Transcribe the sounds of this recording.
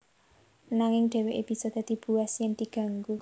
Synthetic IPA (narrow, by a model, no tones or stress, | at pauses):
naŋɪŋɖ̪̥ɛ̤weʔeb̥isɔd̪̥a̤d̪̥i̤b̥uasjəŋd̪̥i̤ɡ̥a̤ŋɡu